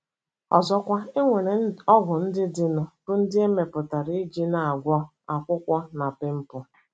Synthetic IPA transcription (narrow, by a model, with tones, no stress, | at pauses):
ɔ̰˨zɔ˦kʷa˦e˦ŋʷe˨ɾe˨ɔ˦ɣʊ˨n̩˦dɪ˦dɪ˨nʊ˨b̥ʊ˦n̩˦dɪ˦e˦me˨pʊ˨ta˨ɾi˦d͡ʒi˦na˨a˨ɡʷɔ˦ | a˨kʷʊ˦kʷɔ˦na˨pɪ˦m̩˦pʊ˦